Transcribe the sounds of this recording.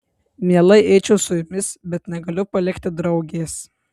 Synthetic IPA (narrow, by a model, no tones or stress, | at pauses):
mʲiɛlˠɐɪʔɛɪt͡ʃʲɛʊsʊjʊmʲɪsbʲɛt̪nʲɛɡɐlʲʊpɐlʲɪkʲt̪ʲɪd̪ɾɐʊɡʲeːs